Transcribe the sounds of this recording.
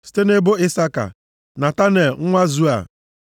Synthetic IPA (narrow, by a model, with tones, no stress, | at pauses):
si̥˦te˦ne˦bo˦ɪ˦sa˦ka̰˨ | na˨ta˦ne˨lŋ̩˦ŋʷa˦zu˦a̰˨